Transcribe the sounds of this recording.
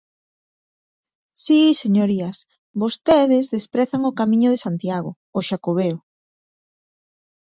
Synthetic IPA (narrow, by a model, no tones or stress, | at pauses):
siseɲoɾias | bost̪eðezðespɾɛθaŋokamĩɲʊðesant̪jaɣo̰ːʃakoβeo